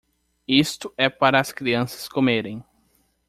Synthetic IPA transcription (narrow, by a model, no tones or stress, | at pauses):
ist̪ʊɛpaɾɐːskɾiɐ̃sɐ̥skomeɾẽj̃